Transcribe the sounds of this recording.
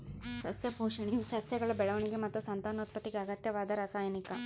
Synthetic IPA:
sɐsjɐpoːʂɐɳisɐsjɐɡɐɭɐbɛɭɐʋɐɳiɡemɐt̪ːusɐnt̪aːnoːt̪̚pɐt̪ːiɡeɐɡɐt̪jɐʋaːd̪ɐɾaːsaːjɐnikɐ

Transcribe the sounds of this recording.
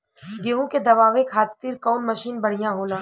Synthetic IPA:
ɡeːɦũked̪ɐʋaːʋekʰaːt̪ːiːɾkɔːnmɐʃiːnbɐɽ̤ijãɦoːlãː

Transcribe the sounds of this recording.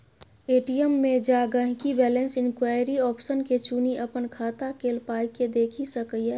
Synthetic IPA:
eːʈijəmːẽd͡ʒaɡəɦkibɛːlẽnsɪnkwaːjɾiɔːpʃənket͡ʃuniʔəpənkʰaːt̪akeːlpaːjked̪eːkʰisəkəjɛ

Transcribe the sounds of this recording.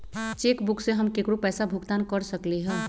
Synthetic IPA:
t͡ʃekbukseɦəmkekɾopɛːsabʱuɡt̪ankəɾsəkleɦɛ̃

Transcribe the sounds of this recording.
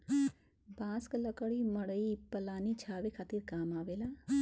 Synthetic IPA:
bãːskləkəɽiməɽəipəlaːnit͡ʃʰaːʋekʰaːt̪iɾkaːmaːʋelaː

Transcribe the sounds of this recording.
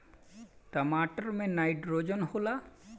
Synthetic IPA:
ʈəmaʈəɾmẽnajɖɾod͡ʒənhola

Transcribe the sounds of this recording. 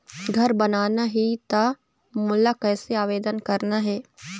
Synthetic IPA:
ɡʱɐɾbənaːnaɦit̪a | mʊlːakɛːseaːʋeːd̪ənkɐɾnaɦɛː

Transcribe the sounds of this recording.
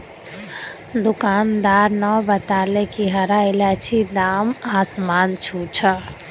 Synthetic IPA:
d̪ukaːnd̪aːɾnɔbət̪aːlekiɦəɾailat͡ʃʰid̪aːmaːsmaːnt͡ʃʰut͡ʃʰə

